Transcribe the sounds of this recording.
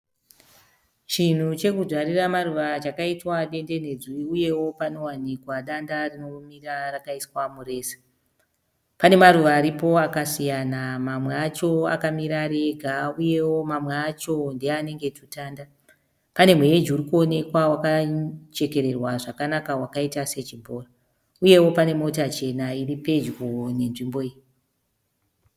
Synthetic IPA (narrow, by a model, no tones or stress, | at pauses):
t͡ʃin̤ut͡ʃe̞kudaɾiramaruʋat͡ʃakaitwaɗe̞nde̞ne̞d͡ziiuje̞wo̞pano̞wanikwaɗandarino̞mirarakaiswamure̞ːse̥ | pane̞maruʋaːɾipo̞akasijanamamweat͡ʃo̞a̰kamiɾaɾe̞ɡʱauje̞wo̞mamweat͡ʃo̞ndeane̞ŋɡe̞tutaːnda | pane̞mwe̞jed͡ʒiuɾikuo̞ne̞kwawakat͡ʃe̞ke̞ɾe̞rwaʐakanakawakaitase̞t͡ʃibʱoːra | uje̞wo̞pane̞mo̞tat͡ʃe̞nairipe̞d͡ʒɡone̞nʐimbo̞ij